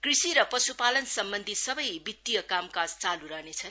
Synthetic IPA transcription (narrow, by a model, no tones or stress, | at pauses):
krisiɾʌpʌsupalʌnsʌmbʌnd̪ʱisʌbʌjbit̪ːijʌkamkast͡saluɾʌɦnet͡sʰʌn